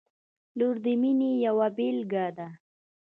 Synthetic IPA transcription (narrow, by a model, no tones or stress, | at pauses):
luɾd̪əminejawabelɡad̪a